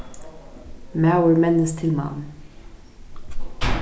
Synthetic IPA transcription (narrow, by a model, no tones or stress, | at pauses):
mæʊəɹmɛnəst̪ʰɪlmɑ̰m